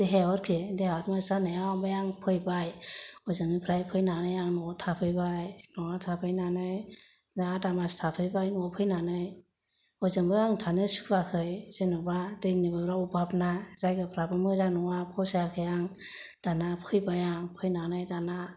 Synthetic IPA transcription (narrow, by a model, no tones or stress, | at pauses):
d̥eɦeɔɾkʰedeaɔtmasanajabajaŋpʰɯjbajɔjzɯŋipʰɾajpʰɯjnanɯjaŋnɔtʰapʰɯjbajnɔŋatʰapʰɯjnanɯj | zaatamastʰapʰɯjbajnɔpʰɯjnanɯj | ɔjzɯŋbɯjaŋtʰanɯsu̥kʰbakʰɯjz̥enɔbadejnibaɾaubapnaz̥ajɡɯpʰɾabɯmɯzanɔŋapʰɔsakʰɯjaŋd̥anapʰɯjbajaŋpʰɯjnanɯjdana